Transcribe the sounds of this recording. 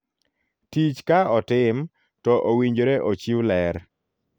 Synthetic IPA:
tit͡ʃkaɔtɪm | tɔʔowiɲd͡ʒoɾɛʔot͡ʃiwlɛɾ

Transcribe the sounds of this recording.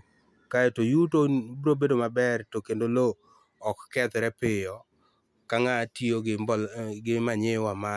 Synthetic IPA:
kaetojutobɾobedomabɛrtokendolo | ɔkːɛt̪ɾɛpɪjɔ | kaŋatio | ɡɪmaɲewama

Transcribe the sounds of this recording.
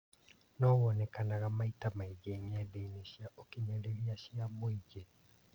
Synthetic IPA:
nɔwɔnekanaɣamaitamaiɣeːmiadeineɕiaʔokiɲaɾeɾiaɕiamoid͡ʒe

